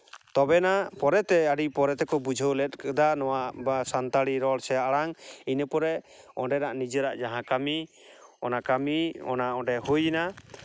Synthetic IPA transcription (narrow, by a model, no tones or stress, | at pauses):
t̪ɔbɛnapɔɾɛt̪ɛəɖipɔɾɛt̪ɛkɔbud͡ʒʱəwlɛt̪̚ˀkad̪anɔwaʔbasant̪aɽiɾɔɽsɛaaɽaŋinəpɔɾɛ | ɔɳɖɛɾaʔnid͡ʒəɾaʔd͡ʒaɦãkami | ɔnakamiɔ̰naɔ̃ɳɖɛɦujna